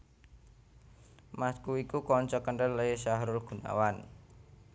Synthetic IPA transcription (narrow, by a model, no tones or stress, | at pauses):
maskuikukɔɲt͡ʃɔkəɳɖənləʃaɦɾʊrɡ̥ṳna̰wan